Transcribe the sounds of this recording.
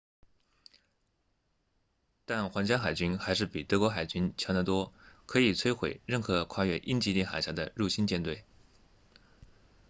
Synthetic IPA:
t̪a˥˩nxwɑ˧˥ŋt͡ɕja˥xa˨˩ɪt͡ɕy˥nxa˧˥ɪʂ̬ɻ̩˥˩pi˨˩t̪ɤ˧˥kwɔ˧˥xa˨˩ɪt͡ɕy˥nt͡ɕʰjɑ˧˥d̪ə˧t̪wɔ˥kʰɤ˧˥i˨˩t͡sʰwe˥ɪxwe˨˩ɪɻə˥˩nxɤ˧˥kʰwa˥˧ɥɛ˥˩ʔi˥nt͡ɕi˧˥t̪i˥˩xa̰˨˩ɪɕja˧˥d̪ə̰˧ɻu˥˩ɕi˥nt͡ɕjɛ˥˧nt̪we˥˩ɪ

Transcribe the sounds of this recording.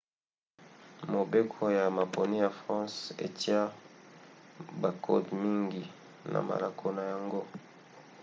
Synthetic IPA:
mo˨be˦kʰo˦ja˨ma˨po˨ni˦ja˨fʁɑ̃˦sḛ˨ti˦a˦ | ba˨kʰo̰˦tmi˦ŋɡi˨ | na̰˨ma̰˨la˦kʰo˦na˨ja˨ŋɡo˦

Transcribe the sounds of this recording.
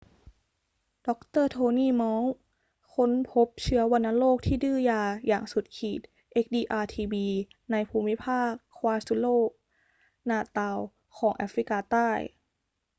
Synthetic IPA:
d̥ɔ˦˥k̚t̪ɤː˥˩t̪ʰoː˧niː˥˩mɔː˧˥ | kʰo˧˥npʰo˦˥p̚t͡ɕʰɯ˧˦˥ɐwa˧nːa˧˥loː˥˩k̚t̪ʰiː˥˩dɯː˥˩jaː˧ja̰ː˨˩ŋsu˨˩t̪̚kʰiː˨˩t̪̚ | ʔe˦˥k̚diː˧ʔaː˧t̪ʰiː˧biː˧ | na˧jpʰuː˧mi˦˥pʰaː˥˩kʰːwaː˧˥su˧˥loː˥˩ | naː˧˩t̪a˧˩w | kʰɔː˩˦ŋʔa̰˦˥fɾi˦˥kaː˧t̪aː˥˩j

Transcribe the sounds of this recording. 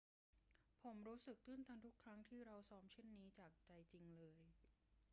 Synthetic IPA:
pʰo˩˦mɾuː˦˥sɯ˨˩k̚t̪ʰɯ˥˩nt̪ʰaː˧nt̪ʰu˦˥kʰːɾa˦˥ŋt̪ʰiː˥˩ɾa˧wsɔː˦˥mt͡ɕʰe˥˩nːiː˦˥t͡ɕaː˨˩k̚t͡ɕa˧jt͡ɕi˧ŋlɤː˧j

